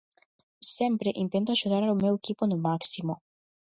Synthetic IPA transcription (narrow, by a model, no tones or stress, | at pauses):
sɛmpɾeʔint̪ent̪uaʃut̪aɾaɾumeukiponomaksimo